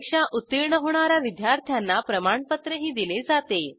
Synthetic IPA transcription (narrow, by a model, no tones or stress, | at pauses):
kʂaʔut̪ːiɾɳəɦoɳ̃aɾjaʋid̪jaɾt̪ʰjanːapɾəmaɳpət̪ɾəɦiːd̪iled͡zat̪e